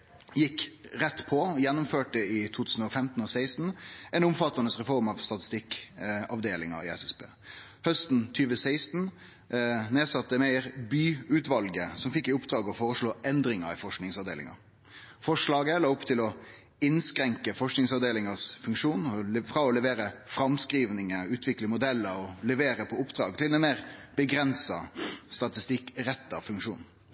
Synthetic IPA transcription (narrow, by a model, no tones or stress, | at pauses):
jɪkːʁɛt̪ːpʰɔjɛnːʊmføːʈəɪt̪ʰuːt̪ʰʉːsn̩ɔfɛmt̪n̩ɔsæɪst̪n̩ɛnʊmfɑt̪ːɑnəsʁɛfɔʁmɑʋst̪ɑt̪ɪ̥st̪ɪkɑʋd̪eːlɪŋɑ̰ɪ̰ɛ̰sɛsbḛː | hœst̪n̩t̪ʰyːʋəsæɪst̪n̩ | neːsɑt̪ːəmeɪəɾbyːʉt̪ʋɑlɡəsɔmfɪkːɪʊpd̪ɾɑːɡəɔfoːɾəʂɭoːʔɛnd̪ɾɪŋɑ̰ɾɪ̰fɔʂknɪŋsɑʋd̪ḛːlɪ̰ŋɑ̰ | fɔʂɭɑːɡəlɑːʊpːt̪ʰɪlɔ | ɪnskɾɛŋkəfɔʂknɪŋsɑʋd̪eːlɪŋɑsfʉŋkʂuːnɔfɾɑːɔlɛʋeːɾəfɾɑmskɾiːʋnɪŋəʉːt̪ʰʋɪkləmʊd̪ɛlːəɾɔlɛʋeːɾəpʰɔʊpd̪ɾɑ̰ːɡt̪ʰɪld̪ɛmeːʁb̥əɡɾɛnsɑst̪ɑt̪ɪst̪ɪkːɾɛt̪ːɑfʉŋkʂṵːn